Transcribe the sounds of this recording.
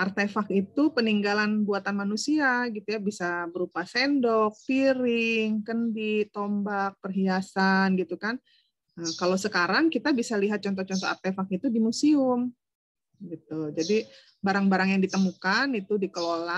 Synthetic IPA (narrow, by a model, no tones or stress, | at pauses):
ʔart̪efakit̪upəniŋɡalanbuat̪anmanusiaɡit̪ujabisabəɾupasendɔk̚t̪iɾɪŋkəndit̪ombak̚pərɦiasanɡit̪ukan | əkalasəkaɾaŋkit̪abisaliɦat̪̚t͡ʃɔnt̪̬ɔht͡ʃɔnt̪ɔa̰rt̪efak̚it̪udimusiʊm | ɡit̪ud͡ʒadi | baɾaŋbaɾaŋjaŋdit̪əmukanit̪udikəlola